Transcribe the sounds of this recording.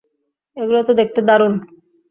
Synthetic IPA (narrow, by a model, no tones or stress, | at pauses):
eɡulot̪od̪ek̚ʰt̪ed̪aɾun